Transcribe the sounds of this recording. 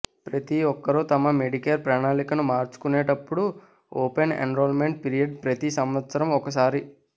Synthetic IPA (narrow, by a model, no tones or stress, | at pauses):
pɾɐt̪iɔkːɐɾut̪ɐmɐme̞ɖikelpɾaːɳaːlikɐnumaːɾt͡ʃu̥kuneːʈɐpːuɽu | oːpenḛnɾoːlmeɳʈ̚piɾijɐɖ̚pɾɐt̪isɐmʋɐt̪sɐɾɐmɔkɐs̬aːɾi